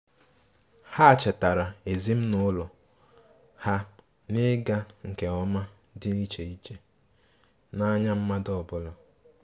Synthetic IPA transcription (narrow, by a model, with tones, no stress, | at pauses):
ha˦˨t͡ʃɪ˨ta˨ɾa˨e˨zi˦m̩˦nʊ˦lɔ˨ | ha˦ | nɪ˦ɡa˦ŋ̩˨ke˨ɔ˦ma˦ | dɪ˦ni˦t͡ʃe˨i˦t͡ʃe˦ | na˦ɲa˦m̩˦ma˦dɔ˦˨bʊ˦lɔ˨